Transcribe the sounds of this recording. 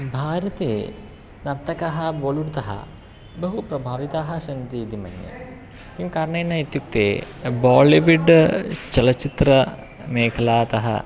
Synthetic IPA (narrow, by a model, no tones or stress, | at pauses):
bʱaːɾɐt̪ḛː | nɐɾt̪ʰɐkɐɦɐboːluɽt̪ɐɦɐ̰ | bɐɦupɾɐbʱaːʋit̪aːɦɐsɐnt̪iːd̪imɐ̰njɐ̰ | kiːmkaːɾɐɳɐjnːɐit̪juk̚t̪ḛːbaːliʋiɖt͡ʃɐlɐt͡ʃit̪ɾɐ | meːkʰɐlaːt̪ɐɦɐ̰